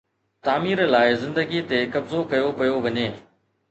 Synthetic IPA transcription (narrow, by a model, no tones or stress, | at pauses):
t̪aːmiːɾəlaːɪzɪ̃nd̪əɡit̪ekɐbzokɐjopɐjoʋɐɲeː